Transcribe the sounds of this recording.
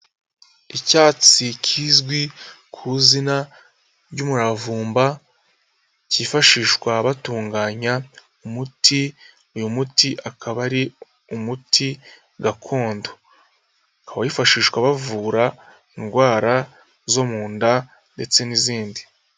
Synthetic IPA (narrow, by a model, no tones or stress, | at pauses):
icaːt͡sicʰiːzɡwi | kʰuzina | ɾɟumuɾavuːmba | ciːfaʃiːʃkwaβatuːŋɡaːɲa | umuti | ujumutiʔakʰaβaɾi | umutʰi | ɡakʰo̞ːndo̥ | kaβajifaʃiːʃkwaβavuːɾa | inɡwaːɾa | zo̞muːnda | nde̞t͡se̞niziːndi